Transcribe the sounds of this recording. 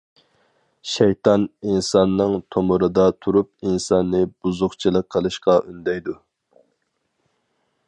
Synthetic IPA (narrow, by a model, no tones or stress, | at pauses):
ʃɛjt̪ʰɑninsɑnːɨŋt̪ʰomuɾɨd̪ɑt̪ʰuɾup̚insɑnːɨb̥uzʊχt͡ʃʰilˠəqʰːəlˠɨʃqɑʔynd̪ɛjd̪u